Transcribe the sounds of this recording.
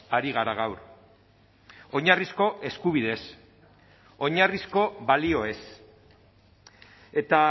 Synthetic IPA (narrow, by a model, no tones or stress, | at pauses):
aɾiɣ̞aɾaɣ̞awɾ | o̞ɲarisko̞ʔe̞skuβ̞ið̞e̞s | o̞ɲarisko̞βalio̞e̞s | e̞t̪a